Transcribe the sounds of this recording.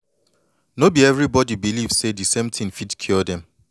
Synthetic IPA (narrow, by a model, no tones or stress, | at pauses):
nobiɛvɹibɔdibiliv̥sedisẽmtʰĩŋfitkʰiɔdɛ̃m